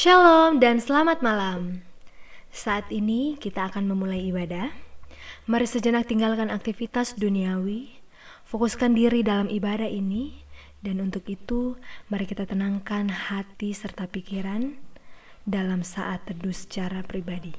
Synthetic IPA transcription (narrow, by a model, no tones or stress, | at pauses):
ʃalɔmdansəlamat̪̚malam | saːt̪inikit̪aːkanməmulajːbada | maɾisəd͡ʒənak̚t̪iŋɡalkanak̚t̪ifit̪asduniawi | fokuskandiɾidalamibadahini | danunt̪ukit̪umaɾikit̪at̪ənaŋkanhat̪isərt̪apikiɾan | dalamsaʔat̪ːədusə̥t͡ʃaɾapɾibadi